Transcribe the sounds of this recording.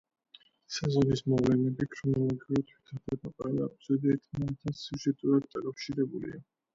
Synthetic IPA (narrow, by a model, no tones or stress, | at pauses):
sazɔnismɔvlɛnɛbikʰɾɔnɔlˠɔɡiuɾit̪ʰwit̪ʰad̪aɾmɔqʼanabzɛd̪aɛt̪ʰmanɛt̪ʰasuʒɛt̪ʼuɾad̪̚d̪akʼafʃiɾɛbulḭa